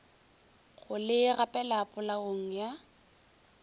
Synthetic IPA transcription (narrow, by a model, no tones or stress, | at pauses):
ɣʊlɪɣapʼɛlapʼʊlaɣoŋ̩ja